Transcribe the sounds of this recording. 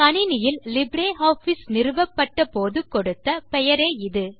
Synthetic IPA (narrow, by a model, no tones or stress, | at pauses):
kɐnɪnɪjɪllɪbɽeːɦaːfisnɪɾɯʋɐpːɐʈːɐpoːðɯkɔɽɯt̪ːɐpɛjɐɾeːɪðɯ